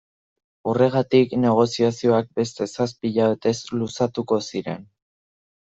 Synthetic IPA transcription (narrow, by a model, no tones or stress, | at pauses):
ure̞ɣ̞at̪ikne̞ɣ̞o̞siasio̞ak̚be̞st̪e̞saspiʎaβe̞t̪e̞slusat̪uko̞siɾe̞̰n